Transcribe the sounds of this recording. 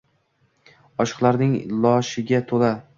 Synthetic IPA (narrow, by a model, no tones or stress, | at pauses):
ɒʃɨ̥qlˠaɾnɪŋlˠɒʃɪɡʲat̪ʰola